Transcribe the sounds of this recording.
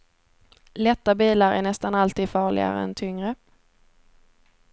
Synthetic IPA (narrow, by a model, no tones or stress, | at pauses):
lɛt̪ːabiːlaɾæ̰ɳɛst̪analt̪iːd̪fɑːɭɪ̰ɡa̰ɾə̰ɛ̰nt̪ʰʏŋɾə